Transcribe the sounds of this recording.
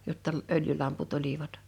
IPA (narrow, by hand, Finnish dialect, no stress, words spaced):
jotːɑ øljylɑmput oliʋɑt